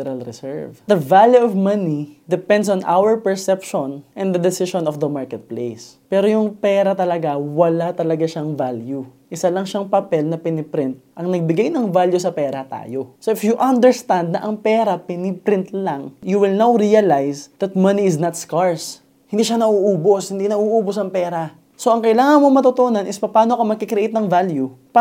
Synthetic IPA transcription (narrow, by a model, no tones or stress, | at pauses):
ɛɾɐlɾɛsɛ̰ɹvd̪ɐvaljuɔvmɐnid̪ɛpɛ̃nd̪sɔ̃nʔa̰wɛɹpɛɹsɛpʃɔ̃nʔɛnd̪ɐd̪ɛsɪʃɔ̃nɔfd̪ɐmaɹkɛt̪̚plejs | pɛːɾojʊŋpɛːɾɐt̪ɐlɐɡawɐlat̪ɐlɐɡaʃaŋvalju | ʔɪsalɐŋʃaŋpɐpɛlnɐpɪnɪpɾɪnt̪̚ʔɐŋnɐɡ̚bɪɡajnɐŋvaljusɐpɛːɾɐt̪a̰ːjoso̞ʔɪfjuʔɐnd̪ɛɹst̪and̪̚nɐʔɐŋpɛːɾɐpɛnɪpɾɪnt̪laŋjuwɪlnawɾiɐlajsd̪ɐt̪̚mɐniɪznɐt̪skaɹs | hɪnd̪iːʃanɐʔuːʔuːboshɪnd̪inɐʔuːʔuːbosɐŋpɛːɾa | so̞ʔɐŋkɐʔɪlaːŋɐnmomɐt̪ot̪onɐnʔɪspɐpaːnoɐkɐmɐɡkɪkɾɛʔejt̪nɐŋvaljup